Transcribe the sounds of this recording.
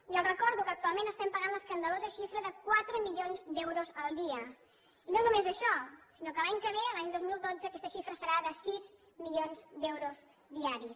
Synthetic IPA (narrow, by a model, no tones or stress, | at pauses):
iəlˠrəkɔɾðukəːk̚t̪ualˠmẽnəst̪ɛmpəɣanləskənd̪əlozəʃifɾəðəkwat̪ɾəmiʎonzd̪ɛwɾuzəlˠd̪iə | inõnumezəʃɔsinokəlaɲkəβ̞eəlaɲd̪ozmilˠd̪od͡zəːkɛst̪əʃifɾəsəɾaðəsiz | milonzd̪ɛwɾuz | ðiaɾis